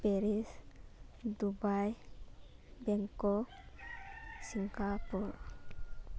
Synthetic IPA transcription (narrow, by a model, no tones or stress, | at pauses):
peɾis | d̪ubaj | bɛŋkɔ | siŋɡapuɾ